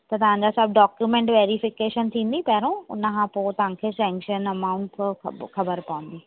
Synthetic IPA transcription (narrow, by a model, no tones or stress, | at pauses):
t̪ɐt̪ɐʋ̤ãɲd͡ʑasɐːb̚ɖɔːkjumẽɳʈʋeːɾifɪkeːʃənt̪ʰĩːn̆d̪ipɐɦɪɾõʊ̰nkʰãpoːt̪ɐʋ̤ãkʰeːsɛ̃ːŋkʃənɐmaːʊ̃ɳʈkʰɐbəɾpɐʋə̃n̆d̪iː